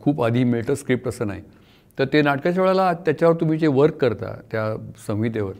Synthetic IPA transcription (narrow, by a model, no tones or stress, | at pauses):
kʰuːpad̪ʱiːmiɭʈ̪əskɾip̚ʈəsəːnaɦi | t̪əɾt̪enaʈkat͡ɕaʋeɭalat̪jat͡ɕjaʋəɾt̪um̤iːt͡seʋəɾkːəɾt̪a̰t̪jasə̃ŋʋit̪eʋəɾ